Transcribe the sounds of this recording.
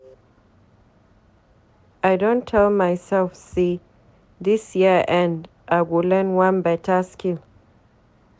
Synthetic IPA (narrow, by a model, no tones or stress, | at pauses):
ʔajdõntʰːɛlmajsɛlfse | dɪsjiəʔɛ̃nd | ʔaɡulɛ̃nwãnbɛtaskɪl